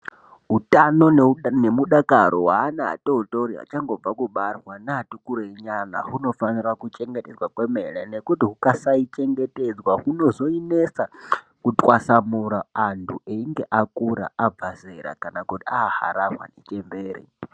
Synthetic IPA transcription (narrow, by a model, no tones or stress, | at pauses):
ɦutano̞nne̞muɗakaɾo̰waːnaa̰toutoɾia̰t͡ʃaŋɡo̞b͡vakuɓarwanaːtukuɾoeɲana̰ɦuno̞fanirakut͡ʃe̞ŋɡe̞ted͡zwakwemeɺenekutiɦukasait͡ʃe̞ŋɡe̞ted͡zwaɦuno̞zo̞inesa | kutʼwasamuɾaːntʰuʔeiŋɡe̞ʔakuɾa̰ab͡vazeɾa̰kanakutiaha̰ɾaɦwa̰net͡ʃembeːɾḛ